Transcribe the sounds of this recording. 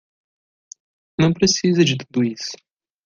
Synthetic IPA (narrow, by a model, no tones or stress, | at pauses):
nɐ̃w̃pɾesizɐd͡ʒɪt̪ud̪ʊisʊ̥